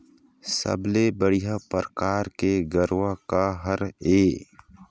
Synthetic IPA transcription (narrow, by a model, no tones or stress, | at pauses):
sə̰blebəɽijapəɾəkaːɾkeɡəɾʋakaɦəɾeː